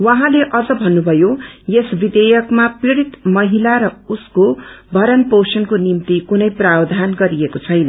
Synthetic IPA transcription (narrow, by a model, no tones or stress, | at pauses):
waɦãleʔʌd͡zʌbʱʌnːubʱʌjojesbid̪ejʌkmapreɽit̪mʌɦilaɾʌuskobʱʌɾʌnpowsʌnkonimt̪ikunʌjprabd̪ʱanɡʌɾijekot͡sʰʌjnʌ